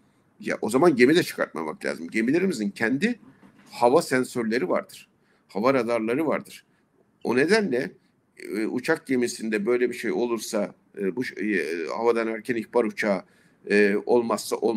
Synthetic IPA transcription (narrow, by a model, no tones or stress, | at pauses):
ja̰ʔo̞zamanɟe̞mid̪ɛt͡ʃʰɯ̥kʰa̰ɾt̪̚ma̰ma̰klʲa̰ːzimɟe̞milʲe̞ɾimizincʰɛnd̪i | havasɛnsøɾlʲe̞ɾiva̰ɾd̪ɯɾ̥ | havaɾad̪aɾlˠaɾɯvaɾd̪ɯɾ̥ | o̞̰ne̞d̪ænlʲɛ | ut͡ʃʰak̚ɟe̞misind̪ɛbø̞jlʲɛbiʃejo̞lˠuɾsa | buʃha̰vad̪anæɾcʰæniçbaɾut͡ʃʰaː | ɯːo̞lˠmasːaʔolˠ